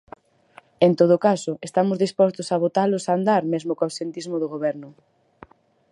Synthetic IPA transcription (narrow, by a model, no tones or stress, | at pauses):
ent̪oð̞ʊkasʊest̪amʊzðispɔst̪ʊsaβ̞ot̪alʊsand̪aɾmezmokawsent̪izmʊðʊɣoβɛɾnʊ